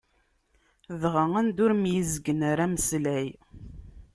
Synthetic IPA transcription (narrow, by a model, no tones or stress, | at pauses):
ðʁəŋænd̪ʊɾmjizəɡənaɾaməslæj